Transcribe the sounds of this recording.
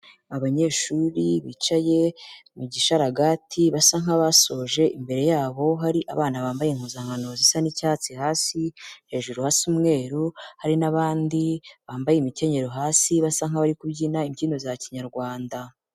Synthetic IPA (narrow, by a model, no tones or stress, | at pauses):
aβaɲe̞ːʃuɾiβit͡ʃaje̞muɟiʃaɾaɡatʰiβasaŋ̥haβaso̞ːʒe̞ʔimbe̞ɾe̞jaːβo̞ɦaɾiʔa̰βaːnaβaːmbajeŋ̥huzaŋ̥hano̞zisanicaːt͡sihaːsihe̞ːʒuɾuhaːsuːmŋe̞ːɾuhaɾinaβaːndiβaːmbajemice̞ɲe̞ɾoɦaːsiβasaŋ̥aβaɾikubɟinaimɟiːno̞zaciɲaɾɡwaːnda